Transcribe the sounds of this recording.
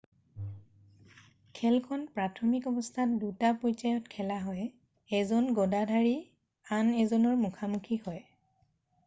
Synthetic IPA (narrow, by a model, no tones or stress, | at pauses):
kʰɛlkʰɔnpɹatʰɔmikɔbɔstʰat̚dutapɔjt͡ʃajɔtkʰɛlaɦɔj | ɛzɔnɡɔdadʱaɹi | anɛzɔnɔɹmukʰamukʰihɔj